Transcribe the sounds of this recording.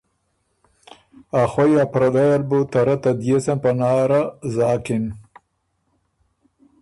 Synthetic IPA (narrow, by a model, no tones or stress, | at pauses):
axojapɾad̪ajalbut̪aɾat̪ad̪jesanpanaːɾazaːkɪn